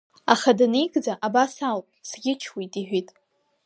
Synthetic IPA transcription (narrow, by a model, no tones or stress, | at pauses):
a̰χadanijɡʼd͡zaʔabasalpʼsɡʲɪt͡ʃʰwitʼiħʷitʼ